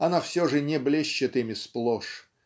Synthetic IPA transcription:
ɐnafsʲoʐɨnʲɪblʲeɕːɪt̪ɪmʲɪsplˠoʂ

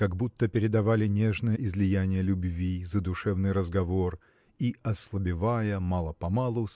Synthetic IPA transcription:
kɐɡbut̪ːəpʲɪɾʲɪd̪ɐvalʲɪnʲe̞ʐnəjəʔɪzlʲɪjænʲɪjəlʲʊbvʲizəd̪ʊʂɛvnɨjɾəzɡɐvor | iʔɐslˠəbʲɪvajəmɑlˠəpɐmalˠʊ

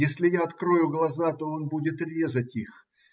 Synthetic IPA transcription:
jesʲlʲɪjaɐt̪kɾo̞jʊɡlˠɐzat̪o̞o̞nbudʲɪt̪rʲe̞zətʲix

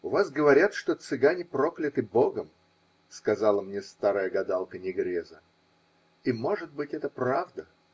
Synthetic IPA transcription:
ʊvazɡəvɐɾʲat̪ʂt̪o̞t̪sɨɡanʲɪpɾo̞klʲɪt̪ɨbo̞ɡəm | skɐzalˠəmnʲest̪aɾəjəɡɐd̪alˠkənʲɪɡɾʲezə | imo̞ʐɨt̪̚bɨtʲɛt̪əpɾavd̪ə

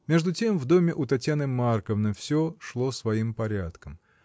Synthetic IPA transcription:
mʲe̞ʐd̪ʊtʲe̞mvd̪o̞mʲɪʔʊt̪ɐtʲjanɨmarkəvnəfsʲoʂlˠo̞svɐimpɐɾʲat̪kəm

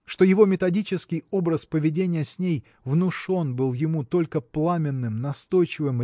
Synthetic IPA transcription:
ʂt̪o̞jɪvo̞mʲɪt̪ɐdʲit͡ɕɪskʲɪjo̞bɾəspəvʲɪdʲenʲɪjəsʲnʲej | vnʊʂo̞nbɨlˠjɪmut̪o̞lʲkəplˠamʲɪnːɨmnɐst̪o̞jt͡ɕɪvɨm

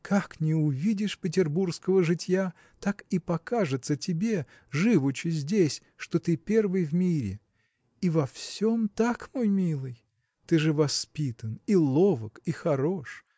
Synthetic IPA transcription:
kaknʲɪʊvʲidʲɪʂpʲɪtʲɪrburskəvəʐɨtʲja | t̪akipɐkaʐɨt̪sətʲɪbʲe̞ | ʐɨvʊt͡ɕːɪzʲdʲesʲ | ʂt̪ot̪ɨpʲe̞rvɨjvmʲiɾʲɪ̰ | ivɐfsʲomt̪akmojmʲilˠɨj | t̪ɨʐɨvɐspʲit̪ənilˠovəkixɐɾoʂ

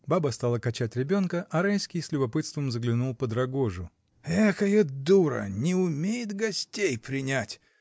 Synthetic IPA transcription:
babəst̪alˠəkɐt͡ɕætʲɾʲɪbʲo̞nkəʔɐɾajskʲɪjsʲlʲʊbɐpɨt̪st̪vəmzəɡlʲɪnulˠpəd̪ɾɐɡoʐʊ | ɛtəjəd̪uɾə̰nʲɪʊmʲejɪt̪ɡɐsʲtʲejpɾʲɪnʲætʲ

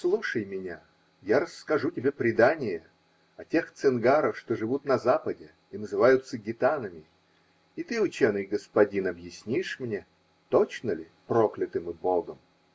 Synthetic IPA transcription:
slˠuʂəjmʲɪnʲa | jaɾəsːkɐʐutʲɪbʲe̞pɾʲɪd̪anʲɪjə | ɐtʲe̞xt̪sɨnɡaɾəfʂt̪oʐɨvut̪nɐzapədʲɪ | ɪnəzɨvajʊt̪səɡʲɪt̪anəmʲɪ | ɪt̪ɨʊt͡ɕenɨjɡəspɐdʲinɐbjɪsʲnʲiʂmnʲe | t̪ot͡ɕnəlʲɪ | pɾoklʲɪt̪ɨmɨboɡəm

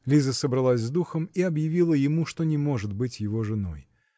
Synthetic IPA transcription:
lʲizəsəbɾɐlˠasʲzd̪uxəmiɐbjɪvʲilˠəjɪmuʂt̪o̞nʲɪmo̞ʐɨt̪bɨtʲjɪvo̞ʐɨno̞̰j

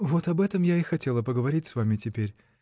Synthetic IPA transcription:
vo̞t̪ɐbɛt̪əmjaɪxɐtʲe̞lˠəpəɡəvɐɾʲitʲsvamʲɪtʲɪpʲeɾʲ

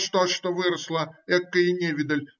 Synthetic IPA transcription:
ʂt̪oʂt̪ovɨɾəslˠəɛkːəɪnʲevʲɪd̪əlʲ

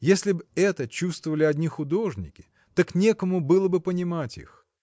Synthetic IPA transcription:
jesʲlʲɪbɛt̪ət͡ɕust̪vəvəlʲɪɐdʲnʲixʊd̪o̞ʐnʲɪ̰kʲɪ̥ | t̪oknʲekəmʊbɨlˠəbɨpənʲɪmatʲḭx

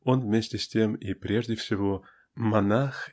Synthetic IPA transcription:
onvmʲesʲtʲɪsʲtʲemipɾʲeʐdʲɪfsʲɪvo | mɐnax

